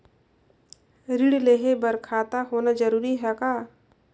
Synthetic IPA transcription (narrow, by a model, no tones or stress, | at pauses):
ɾiɽleɦebəɾkʰaːt̪aɦoːnad͡ʒəɾuːɾiɦɛkaː